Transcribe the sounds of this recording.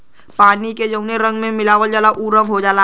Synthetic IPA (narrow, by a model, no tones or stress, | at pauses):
paːniked͡ʒəʊneɾɐ̃ŋɡmẽmɪlaːʋəld͡ʒaːlaʔuːɾəʋɦod͡ʒaːla